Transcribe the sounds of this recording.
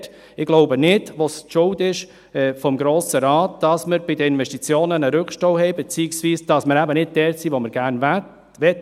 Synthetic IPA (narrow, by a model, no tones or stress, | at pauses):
t | ɪɡ̥loʊbənɪdʋosʃʊltɪʃ | fɔmɡɾoːsəɾɑːt̚d̥ɑsməɾb̥ɪdəɪnvɛʃtit͡sjoːnənəɾʏkʃtowhɛɪbɛt͡siːɪksviːsd̥ɑsməɾæbənɪd̥̚d̥ɛːtsiːʋoməɾɡ̥æɾn | ʋɛt